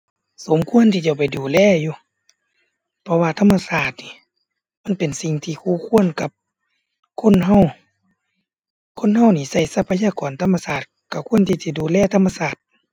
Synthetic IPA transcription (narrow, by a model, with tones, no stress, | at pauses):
so˨˦mkʰu˧˥ə˨nt̪ʰiː˧t͡ɕa˧˩wpa˨˩jduː˨lɛː˧˥˩juː˧ | pʰɔ˧waː˧t̪ʰa˧˥mːa˧saː˧˩t̪̚niː˧˨ | ma˧˥˨npe˨nsi˧˨ŋt̪ʰiː˧kʰuː˧˨kʰu˧˥˨ə˨nka˧˦p̚ | kʰo˧˥˨nɦa˧˥˨w | kʰo˧˥˨nɦa˧˩˨wniː˧˨sa˧˩jsa˧˩pʰːa˧jaː˧˨kɔː˨˩nt̪ʰa˧˥˨mːa˧saː˧˩t̪̚ka˧˩kʰu˧˥ə˨nt̪ʰiː˧t̪ʰiː˧˩duː˨lɛː˧˩t̪ʰa˧˩mːa˧saː˧˩t̪̚